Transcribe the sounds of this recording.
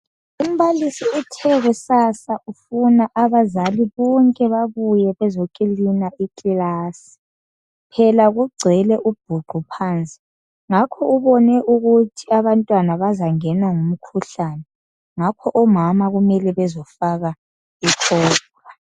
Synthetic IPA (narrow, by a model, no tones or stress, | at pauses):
um̩βalisiutʰɛɣusasaʔufunaʔaβazaliβɔŋkʼɛβaβujɛβɛzɔkʼelinaʔikʼlaːsi̥ | pʰɛlaɣuɡ͡ǀʱɛlɛʔub̥̚ʱuɡ͡ǃʱupʰaːnt͡sʼi̥ | ŋakʰɔuβɔnɛʔuɣutʰiaβantʼwanaβazaŋɛnaŋum̩kʰuɬaːnɛ | ŋakʰɔʔɔmamaɣumɛlɛβɛzɔfaɣa | ikʰɔːb̥ra